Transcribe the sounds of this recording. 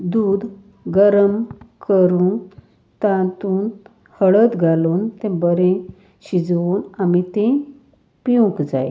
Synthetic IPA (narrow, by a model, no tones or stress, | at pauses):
d̪uːd̪ | ɡəɾəmkəɾuːn | t̪ãt̪uːn | həɭət̪ɡʱaluːnt̪ẽbəɾẽ | ɕid͡zʋuːnamit̪ẽ | piũkd͡zaj